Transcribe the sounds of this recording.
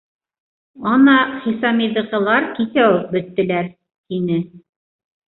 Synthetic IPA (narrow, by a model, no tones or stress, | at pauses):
ɑnɑχisɑmiðɤ̆ʁɤ̆lˠɑɾkiθæwɘp̚bɵ̆t̪ːɘ̆læɾ | t̪inɘ